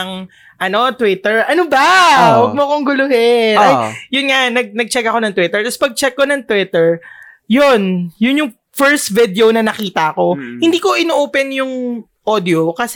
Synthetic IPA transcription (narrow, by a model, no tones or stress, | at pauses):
ɐŋ | ʔɐno̞t̪wɪt̪ɛɹʔɐnobawɐɡ̚mokoŋɡʊlʊhɪajjʊnŋanɐɡ̚nɐɡ̚t͡ʃɛkɐko̞nɐŋt̪wɪt̪ɛɹt̪ɐspɐɡ̚t͡ʃɛkːonɐŋt̪wɪt̪ɛɹ | jonjʊnjʊŋ | fɛɹst̪vɪd̪ɛonɐnɐkiːt̪ɐʔɐko̞hɪ̃nd̪iːko̞ʔɪnoʔoːpɛnjʊŋ | ʔod̪ɪokɐsɛ